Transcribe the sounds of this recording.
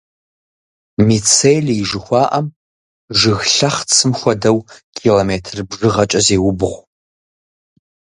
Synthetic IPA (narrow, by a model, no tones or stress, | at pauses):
mit͡sʰejliʒɨxʷɑːʔɐm | ʒɨɣɬɐχt͡sʰɨmxʷɔdɐwkʰiloːmeːtʰrbʐɨʁɐt͡ʃʼɐzeːwʊbʁʷ